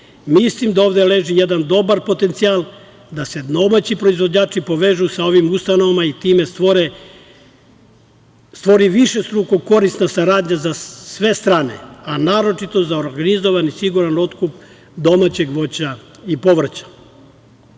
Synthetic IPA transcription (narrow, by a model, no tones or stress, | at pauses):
mislimd̪aoːʋd̪e̞le̞ːʒijed̪and̪o̞baɾpo̞t̪ent̪sialˠ | d̪ase̞d̪o̞mat͡ɕipɾo̞izʋo̞d͡ʑaːt͡ʃipo̞ʋe̞ːʒusao̞ʋimust̪ano̞ʋamait̪iːme̞st̪oɾe | st̪ʋo̞ɾiʋiʃe̞st̪ɾukoko̞ɾisnasaɾaːd̪ɲazasʋe̞st̪ɾaːne̞̰anaːɾo̞t͡ʃit̪o̞zaoɾɡanizo̞ʋanisiɡuɾano̞t̪kup | d̪o̞maːt͡ɕe̞ɡʋo̞t͡ɕa | ipo̞ʋr̩t͡ɕḁ